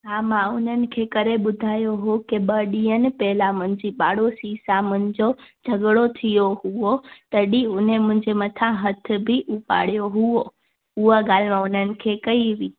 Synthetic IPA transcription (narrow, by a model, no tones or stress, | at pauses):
amãunənkʰekəɾeɓʊd̪ʱajoɦokeɓəɖijənpɛɦlamə̃nd͡ʒiɓaɽosisamə̃nd͡ʒod͡ʒʱəɡɽot̪ʰijoɦuot̪əɗiunemə̃ɲd͡ʒemət̪ʰãɦət̪ʰbʱiʔupa̰ɽjoɦuo | uʋaɡalmãunənkʰekəiʋi